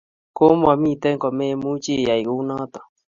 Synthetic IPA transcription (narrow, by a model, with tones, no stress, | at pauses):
ko˦mo˦˨a˨mĩ˦˨t̪ɛ˦ŋkɔ˨me˦mu˦t͡ʃi˦˨ja˨i˨ɣu˦na˦t̪ɔ̥˨